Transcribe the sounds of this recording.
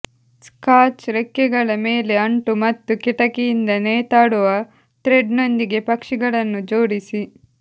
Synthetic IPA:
skaːt͡ʃɾekːɛɡɐɭɐme̞ːle̞ɐɳʈumɐt̪ːukiʈɐkejind̪ɐneːt̪aːɽuʋɐ | t̪ɾeɖno̞nd̪iɡe̞pɐkʂiɡɐɭɐnːud͡ʒo̞ːɽisi

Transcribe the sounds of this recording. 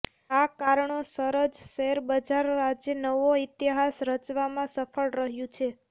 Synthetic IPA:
akaɾəɳosəɾəd͡ʒʃəeɾbəd͡ʒaɾad͡ʒjənəʋoit̪iɦasɾət͡ʃʋamãsəfʰəɭɾəɦjũt͡ʃʰe

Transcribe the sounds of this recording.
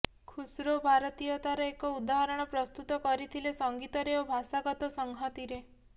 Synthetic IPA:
kʰusɾobʱaɾɔt̪ijɔt̪aɾɔekɔud̪aɦɔɾɔɽ̃ɔpɾɔst̪ut̪ɔkɔɾit̪ʰilesɔŋɡit̪ɔɾeobʱasaɡɔt̪ɔsɔŋɦɔt̪iɾe

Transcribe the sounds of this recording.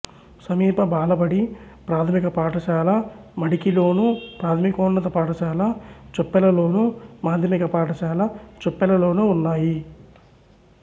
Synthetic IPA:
sɐmiːpɐbaːlɐbɐɽi | pɾaːt̪ʰɐmikɐpaːʈɐʃaːlɐ | mɐɽikilo̞ːnupɾaːt̪ʰɐmikoːnːɐt̪ɐpaːʈɐʃaːlɐt͡ʃopːɛlɐlo̞ːnumaːd̪ʱjɐmikɐpaːʈɐʃaːlɐt͡ʃopːɛlɐlo̞ːnuunːaːji

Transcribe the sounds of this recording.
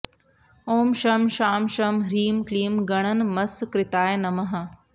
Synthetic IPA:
oːmʃɐmʃaːmʃɐmɾiːmkɭiːmɡɐɳ̃ɐnmɐskɾɪt̪aːjnɐmɐɦɐ̆

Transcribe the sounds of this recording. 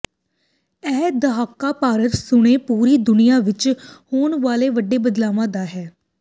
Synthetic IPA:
ɛːd̪əɦaːkːaːpaːɾət̪sʊɽ̃eːpuːɾiːd̪ʊnɪjaːʋɪt͡ʃhoːɳʋaːleːʋəɖeːbəd̪laːʋãːd̪aːɦɛː

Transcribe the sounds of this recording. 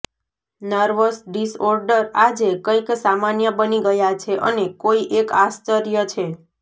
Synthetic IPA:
nəɾʋəsɖisɔɾɖəɾad͡ʒekə̃iksamanjəbəniɡəjat͡ʃʰeʔənekoiʔekast͡ʃəɾjət͡ʃʰe

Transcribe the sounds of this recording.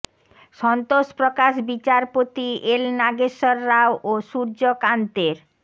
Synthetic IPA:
ʃɔnt̪oʃpɾokaʃbit͡ɕaɾpot̪iʔelnaɡeʃɔɾːawʔoʃuɾd͡ʑokant̪eɾ

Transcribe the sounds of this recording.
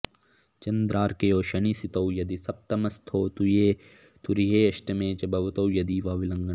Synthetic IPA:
t͡ʃɐnd̪ɾaːɾkejoːʃɐɳisit̪ɐwjɐd̪isɐp̚t̪ɐmɐst̪ʰoːt̪ujeː | t̪uɾiɦeːɐʃʈɐmeːt͡ʃɐbɐʋɐt̪ɐwjɐd̪iːʋaːʋilɐŋɡɐ

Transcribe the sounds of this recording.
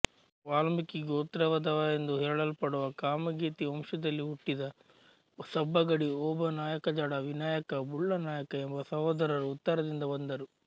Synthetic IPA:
ʋaːlmikiɡoːt̪ɾɐʋɐd̪ɐʋɐend̪uɦeːɭɐlupɐɽuʋɐkaːmɐɡiːt̪iɐmʂɐd̪ɐlːiuʈːid̪ɐ | sɐbːɐɡɐɽiɔːbɐnaːjɐkɐd͡ʒaːɽɐʋinaːjɐkɐbuɭːɐnaːjɐkɐembɐsɐɦoːd̪ɐɾɐɾuut̪ːɐɾɐd̪ind̪ɐbɐnd̪ɐɾu

